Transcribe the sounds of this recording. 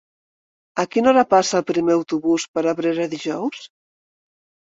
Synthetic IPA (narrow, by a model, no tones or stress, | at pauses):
akinɔɾapasaːlˠpɾimeawt̪uβuspəɾaβɾeɾəðiʒɔws